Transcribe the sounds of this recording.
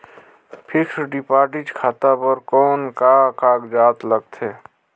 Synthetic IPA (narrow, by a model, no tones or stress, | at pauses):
pʰɪksɖɪpaːɾʈɪd͡ʒkʰaːt̪apəɾkɔːnkakaːɡd͡ʒaːt̪ləɡ̚t̪ʰeː